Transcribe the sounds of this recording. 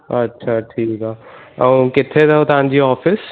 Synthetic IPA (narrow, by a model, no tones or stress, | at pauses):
ɐtːʃʰaʈʰiːkaː | ə̃kɪt̪ʰːet̪ɛot̪ãːnd͡ʒiɔːfɪs